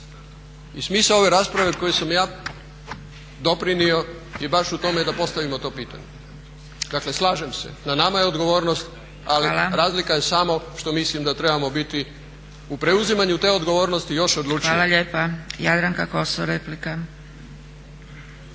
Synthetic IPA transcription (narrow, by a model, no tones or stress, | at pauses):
ismisao̞ʋeɾaːspɾaʋe̞ko̞jesamjaː | d̪opɾinio̞ | jibaʃut̪o̞med̪apo̞st̪aʋimo̞t̪o̞ːpiːt̪a̰ɲe | d̪akle̞slˠaːʒemse̞̰nanamajeo̞d̪ɡo̞ʋo̞ːɾnost̪ | alilaɾaːzlikajesaːmoʃt̪o̞mislimd̪at̪ɾe̞bamo̞bit̪i | upɾe̞uzimaɲut̪e̞ːo̞d̪ɡo̞ʋo̞ːɾnost̪ijo̞ʃod̪lˠuːt͡ʃaːlaʎeːpajad̪ɾaŋkakosoɾeplika